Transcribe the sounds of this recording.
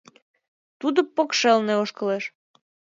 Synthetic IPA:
t̪ud̪opːokʃelneoʃkə̆leʃ

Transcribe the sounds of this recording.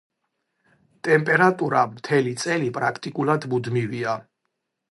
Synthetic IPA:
t̪ʼɛmpʼɛɾat̪ʼuɾamt̪ʰɛlit̪sʼɛlipʼɾakʰt̪ʼikʼulˠad̪mud̪mivia

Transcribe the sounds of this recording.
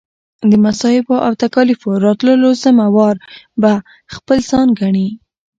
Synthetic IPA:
d̪əmasɑhɪboʔa̰wt̪akɑlifoɾɑt̪ləlozamawɑɾba | xpəlz̥ɑnɡaɳi

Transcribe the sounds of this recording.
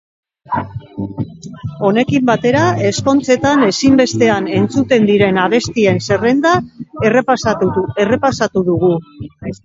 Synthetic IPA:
o̞ne̞kimbat̪e̞ɾae̞sko̞nt͡se̞t̪ane̞simbe̞st̪e̞ane̞nt͡sut̪e̞nd̪iɾe̞naβ̞e̞st̪ie̞nse̞re̞nd̪ar | ere̞pasat̪uðuɣu

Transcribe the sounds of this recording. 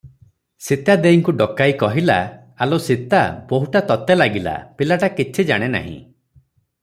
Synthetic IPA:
sit̪ad̪eiŋkuɖɔkajkɔɦila̰ | alosit̪abɔɦuʈat̪ɔt̪elaɡila̰pilaʈakit͡ʃʰid͡ʒa̰ɽ̃ena̰ɦḭ̃

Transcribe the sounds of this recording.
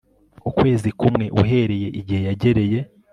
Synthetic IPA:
ukwe̞ːzikumŋe̞ʔuɦe̞ːɾe̞je̞ʔiɟihe̞jaɟe̞ɾe̞je̞

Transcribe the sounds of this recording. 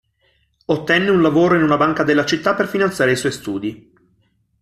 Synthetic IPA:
ot̪ːɛnːeunlavoːɾoinunabaŋkad̪elːat͡ʃit̪ːapːerfinant̪sjaːɾeiswɔjst̪uːd̪i

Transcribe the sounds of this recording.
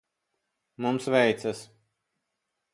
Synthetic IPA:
mumsvɛjt̪sas

